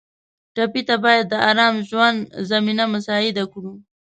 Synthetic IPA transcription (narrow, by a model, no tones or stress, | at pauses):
ʈapit̪abɑjad̪ːəaɾɑmʒwand̪zaminamasɑɪd̪akɽu